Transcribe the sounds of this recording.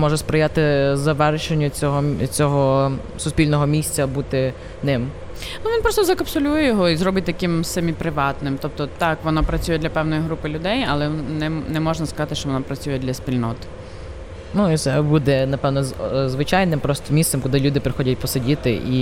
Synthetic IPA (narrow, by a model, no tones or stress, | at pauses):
mɔʒɛspɾɪjat̪ɪzɐʋɛrʃenʲːɐt͡sʲɔɦɔt͡sʲɔɦɔ | sʊspʲilʲnɔɦɔmʲisʲt͡sʲɐbut̪ɪ | nɪm | nuʋʲinpɾɔst̪ɔzɐkɐpsɔlʲujɛjɔɦɔizɾrɔbɪt̚ʲt̪ɐkɪmsɛmʲipɾɪʋɑt̪nɪmt̪ɔp̚t̪ɔt̪ɑkʋɔnɔpɾɐt͡sʲujɛd̪ʲlʲɐpɛwnɔjiɦɾupɪlʲʊd̪ɛjɐlˠɛnɛnɛmɔʒnɐskɐzɑt̪ɪʃt͡ʃɔʋɔnɔpɾɐt͡sʲujɛd̪ʲlʲɐspʲilʲnɔt̪ | nuit̪sɛbud̪ɛnɐpɛwnɔzʋɪt͡ʃajnɪmpɾɔst̪ɔmʲist̪sɛmkʊd̪ɪlʲud̪ɪpɾɪxɔdʲɐt̚ʲpɔsedʲit̪ɪʔi